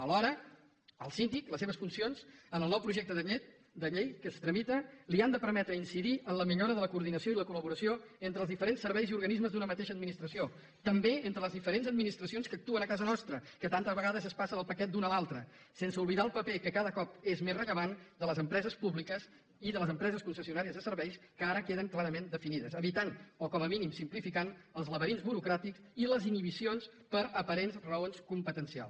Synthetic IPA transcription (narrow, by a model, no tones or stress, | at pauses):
əlɔɾə | əlˠsind̪ikləs̬eβəsfunsionzənəlˠnɔwpɾuʒek̚t̪əðəʎet̪̚ | d̪əʎejkəst̪ɾəmit̪əliand̪əpəɾmɛt̪ɾəinsiðiʔənləmiʎoɾəðələkuːɾðinəsioiləkuləβuɾəsioent̪ɾəlˠzðifəɾensːəɾβɛjziuɾɣənizməzd̪unəmət̪eʃəd̪̚minist̪ɾəsio | t̪əmbeent̪ɾələzðifəɾenzəd̪minist̪ɾəsionskək̚t̪uənəkazənɔst̪ɾəkət̪ant̪əzβəɣaðəzəspasəðəlˠpəkɛt̪̚d̪unəlalˠt̪ɾə | sensəuβliðaəlˠpəpekəkaðəkɔpezmezrəʎəβand̪ələzəmpɾɛzəspuβlikəs | iðələzəmpɾɛzəskunsəsiunaɾiəzðəsəɾβɛjskəaɾəkeðəŋklaɾəmend̪əfiniðəzəβit̪anɔkɔməminimsimplifikanəlˠzləβəɾinzβuɾukɾat̪iksiləziniβ̞isionspəɾəpəɾenzrəonskumpət̪ənsia̰lˠs